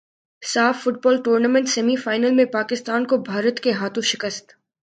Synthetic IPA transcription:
saːfːʊʈ̚bɔːlʈuːɾnamɛ̃ɳʈsɛmifaːɪnəlmẽpaːkɪst̪aːnkobʱaːɾət̪keɦaːt̪ʰõʃɪkəst̪

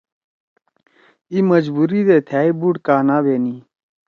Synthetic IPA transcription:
iməd͡ʒbuːɾiːd̪eːt̪ʰaːibuɽkaːnaːbeːniː

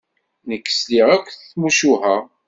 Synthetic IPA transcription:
nəkːə̥sliʁækʷːθθmuʃuhæ

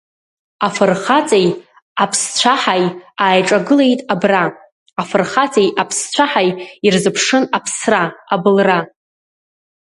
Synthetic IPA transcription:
afɨrχat͡sʼej | apʰst͡ɕʷʰaħajaːjʈ͡ʂʼaɡɨlejtʼabra | afɨrχat͡sʼejapʰst͡ɕʷʰaħajirzɨpʰʂɨnapʰsraabɨlra

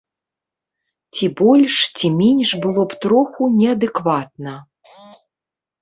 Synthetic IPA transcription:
t͡sʲibɔlʲʂt͡sʲimʲenʲʂbɨlˠɔpt̪ɾɔxunʲɛɐd̪ɨkvat̪nɐ

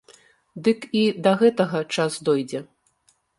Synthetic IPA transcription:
d̪ɨkid̪ɐɣɛt̪ɐɣɐt͡ʂasd̪ɔjd͡zʲɛ

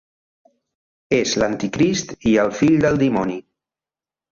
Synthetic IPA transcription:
ezlənt̪ikɾist̪iəlˠfiʎd̪əlˠd̪imɔni

